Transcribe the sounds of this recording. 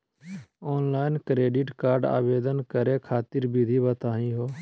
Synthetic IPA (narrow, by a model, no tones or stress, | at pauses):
ɔːnlaːɪnkɾeːɖɪʈkaːɾɖa̰ːʋeːd̪ənkəɾẽkʰaːt̪ɪɾbid̪ʱibət̪aːɦĩɦoː